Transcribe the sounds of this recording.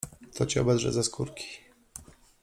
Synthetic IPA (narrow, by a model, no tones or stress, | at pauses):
t̪ɔt͡ɕiɔ̰bɛd̪ʐɛ̰zaskʰuɾkʲʰi̥